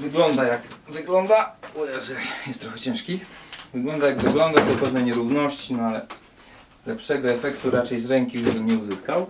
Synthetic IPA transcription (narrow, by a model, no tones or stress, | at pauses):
vɘɡlɔnd̪ajakvɘɡlɔnd̪aujɛʐɛjɛst̪ːɾɔxɛt͡ɕɛ̃ʂkʲivɘɡlɔnd̪ajaɡvɘɡlɔnd̪azɔpɛvnɛɲɛɾuvnɔɕt͡ɕinɔalɛ | lɛpʂɛɡɔɛfɛkt̪uɾat͡ʂɛjzɾɛŋkʲibɘmɲɛuzɘskaw